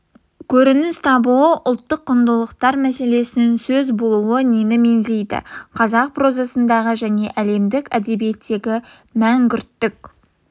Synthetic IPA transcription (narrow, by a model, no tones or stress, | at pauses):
kʲʰɵɾɪnɪst̪ʰɑbuəʔʊlˠt̪ːəqːʊnd̪əlˠəqt̪ɑɾmæse̞le̞sɪnɪŋsɵzbo̞lˠuwənenɪme̞nzejd̪ɪ̰qʰɑzɑq̚pʰro̞zɑsənd̪ɑʁəʒæne̞ʔæle̞md̪ɪkʲæd̪e̞bije̞t̪ːe̞ɡʲɪ | mæŋkʲʏɾt̪ːɪkʲ